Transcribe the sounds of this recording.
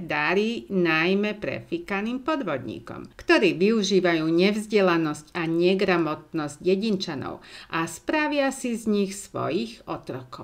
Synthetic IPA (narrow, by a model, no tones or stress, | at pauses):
d̪aɾiːnajmɛpɾɛ̰fikaniːmpɔd̪ʋɔd̪ɲḭːkɔ̰mkt̪ɔɾiːʋiuʒiːʋajuːɲɛvzɟɛlanɔscaɲɛɡɾamɔt̪̚nɔzɟjɛɟint͡ʃanɔ̰ʊʔaspɾaʋɪasizɲixsʋɔ̰jiːxɔt̪ɾɔkɔʊ